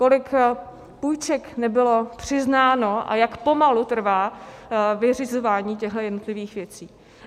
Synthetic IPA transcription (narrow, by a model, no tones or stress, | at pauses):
ko̞lɪk | pujt͡ʃɛknɛbɪlo̞pr̥ɪznaːno̞ʔa̰jakpo̞malut̪r̩vaː | vɪrɪzo̞vaːɲiːcɛɣlɛjɛdnot̪lɪviːxvjɛt͡siː